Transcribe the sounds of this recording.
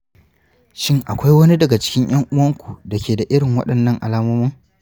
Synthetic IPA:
ʃɪ˦ŋʔa˨kʷa˦jwɐ˦ni˦dɐ˨ɡa˨t͡ʃɪ̥˦kʲɪ˦ɲj̰ɐ˦ŋʔʊ˦wɐ˦ŋkʷu̥˨da˨kʲeː˨da˨ʔɪ˦ɽɪ˨ŋwɐ̰˦ɗɐ˨nːɐ˦ŋʔa˨laː˦mɐ˦mʊ˦ŋ

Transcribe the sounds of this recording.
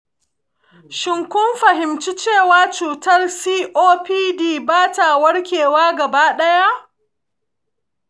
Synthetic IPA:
ʃɪ˨ŋkʷʊ˦mɸɐ˨ɦɪ˨mt͡ʃi˦t͡ʃeː˦˨waː˦t͡ʃuː˨tɐ˦lsiː˦ʔoː˦piː˦diː˦baː˦ta˨wɐ˦ɽkʲeː˨waː˦ɡɐ˨baː˦ɗɐ˦ja˦ʔ

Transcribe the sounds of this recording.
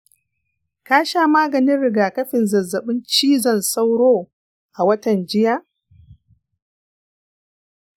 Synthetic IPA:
kaː˦ʃaː˦maː˦ɡɐ˨nɪ˦nɽɪ˨ɡaː˨kɐ˦ɸɪ˨nzɐ˨zːɐ˨ɓɪ˦nt͡ʃiː˦zɐ˦˨nsa˦wɽoː˦ | ʔa˨wɐ˦tɐ˨nd͡ʒɪ˦jaː˦

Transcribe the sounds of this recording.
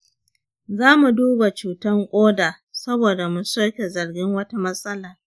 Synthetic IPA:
zaː˦mu˨duː˦ba˨t͡ʃuː˨tɐ˦ŋkʷʼoː˦daː˨ | sɐ˦boː˨da˨mʊ˨nsɐ˦kʲe˨zɐ˨rɡʲɪ˦ŋwɐ˦ta˦mɐ˦sɐ˦laː˨

